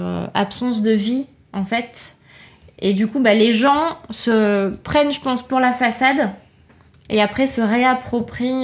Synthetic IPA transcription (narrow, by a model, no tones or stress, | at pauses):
a̰psɑ̃s̬d̪əvi | ɑ̃fɛt̪ | ed̪ykubaleʒɑ̃səpχɛnʒəpɑ̃spuʁlafasad̪ | eapχɛsəʁeapχɔpχi